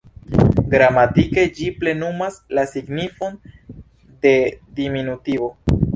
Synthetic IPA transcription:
ɡɾamatike̞d͡ʒiple̞numaslasiɡnifo̞n | de̞diminutivo̞

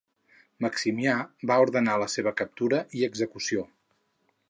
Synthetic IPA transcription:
məksimiabauɾðənaləseβəkəp̚t̪uɾəʔiəɡzəkusio

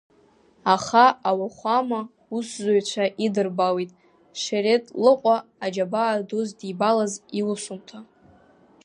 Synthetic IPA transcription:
aχaawaχʷama | uszʷaɥt͡ɕʷʰaʔidɨrbawitʼ | ʂaɾetʼlɨqʷʼaːd͡ʒabaːdozdibalaziwʊsumtʰa

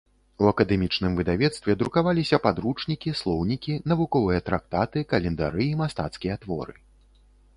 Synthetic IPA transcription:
uɐkɐd̪ɛmʲit͡ʂnɨmvɨd̪avʲɛt̪st̪vʲɛd̪ɾukavalʲisʲɐpad̪ɾut͡ʂnʲikʲislˠɔwnʲikʲinɐvukɔvɨjɐt̪ɾak̚t̪at̪ɨkɐlʲɛnd̪a̰ɾɨːmast̪at̪skʲijɐt̪vɔ̰ɾɨ̰

